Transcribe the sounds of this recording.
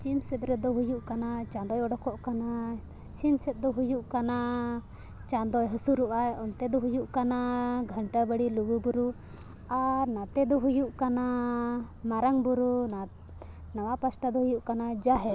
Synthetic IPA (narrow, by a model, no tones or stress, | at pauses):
t͡ʃimsɛt̪̚ɾɛd̪ɔɦujuʔkanat͡ʃãnd̪ɔjɔɽɔkɔʔkana | t͡ʃinsɛt̪̚ˀd̪ɔɦujuʔkana | t͡ʃãnd̪ɔjɦəsuɾuʔajɔnt̪ɛd̪ɔɦujuʔkanaɡʱəɳʈabəɽiluɡubuɾu | aɾnat̪ɛd̪ɔɦujuʔkana | maɾaŋbuɾuna | nawapasʈad̪ɔɦujuʔkanad͡ʒaɦɛ